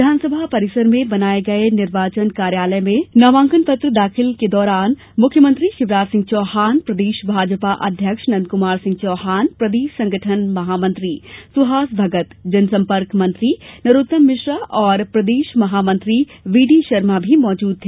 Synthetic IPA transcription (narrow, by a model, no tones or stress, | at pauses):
ɪd̪ʱaːnsəbʱapɐɾɪsəɾmẽbɐnaːeɡɐenɪɾʋaːt͡ʃənkaːɾjaːləmẽnɐʋãːŋkənpɐt̪ɾəd̪aːxɪlked̪ɔːɾaːn | mʊkʰjəmə̃nt̪ɾiʃɪʋɾaːt̪sɪ̃ŋɡ̚t͡ʃɔːɦaːnpɾɐd̪eːʃbʱaːd͡ʒpaʔɐ̰d̪ʱjəkʃnɐ̃nd̪kʊmaːɾsɪ̃ŋɡ̚t͡ʃɔːɦaːnpɾɐd̪eːʃsɐ̃ŋɡəʈʰənmɐɦaːmɐ̃nt̪ɾiːsʊɦaːsbʱɐɡət̪d͡ʒɐnsɐ̃mpəɾkmɐ̃nt̪ɾinɐɾut̪ːəmːɪʃɾəɔːɾpɾɐd̪eːʃmɐɦaːmɐ̃nt̪ɾi | ʋiːɖiʃɐɾmabʱimɔːd͡ʒuːd̪̚t̪ʰeː